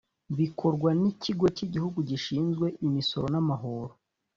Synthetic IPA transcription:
βikʰo̞ɾɡwanicʰiɡo̞ciɟihuɡuɟiʃiːnzɡwe̞ʔimiso̞ɾo̞namaɦo̞ɾo

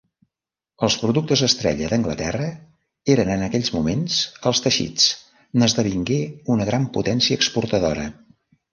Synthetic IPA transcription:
əlˠspɾuðuk̚t̪əzðəst̪ɾɛ̰ʎəðəŋɡlət̪ɛrə | eɾənənəkɛʎʲzmumensəlˠst̪əʃḭt͡s | nəzðəβ̞iŋɡeunəɣɾamput̪ɛnsiəːkspuɾt̪əðoɾə̰

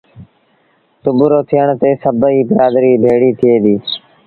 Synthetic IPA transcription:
t̪ʊbʊɾoːt̪ʰɪjəɳt̪eːsəbəiːbɪɾaːd̪ɾiːbʱeːɽiːt̪ʰɪeːd̪iː

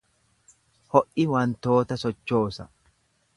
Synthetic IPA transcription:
hɔʔɪwɐnt̪o̞ːt̪ɐsɔt͡ʃːo̞ːsɐ̰

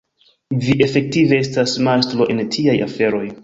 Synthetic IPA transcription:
viʔe̞fe̞k̚tivee̞stasmastɾo̞ʔe̞ntʰiaja̰fe̞ɾo̞j

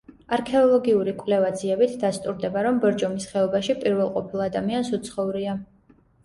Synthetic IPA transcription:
aɾkʰɛɔlˠɔɡiuɾikʼwvlɛvad̪ziɛbit̪ʰd̪ast̪ʼuɾd̪ɛbaɾɔmbɛɾd͡ʒɔmisχɛɔbaʃipʼiɾvɛlˠqʼɔpʰilˠad̪amiansut̪sʰχɔuɾia

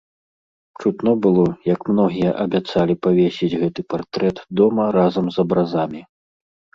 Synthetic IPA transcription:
pt͡ʂut̪nɔbɨlˠɔjɐkmnɔɣʲijɐʔɐbʲat̪salʲipavʲesʲid͡zʲɣɛt̪ɨpart̪ɾɛt̪d̪ɔmɐɾazɐmzɐbɾazamʲi

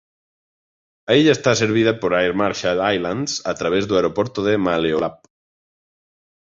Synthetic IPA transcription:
aiʎaest̪aseɾβ̞ið̞apoɾajɾmaɾʃaajland̪sat̪ɾaβ̞ezðuaeɾopoɾt̪oðemaleolap̚

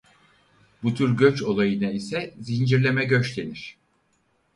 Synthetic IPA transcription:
but̪ʰyɾɟøt͡ʃo̞lˠajɯnaisɛzind͡ʒiɾlʲe̞mɛɟø̞t͡ʃlʲeniɾ̝̥

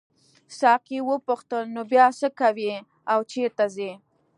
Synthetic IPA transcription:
sɑqiwəpʊxt̪əlnobjɑsəkawi | awt͡ʃet̪aze

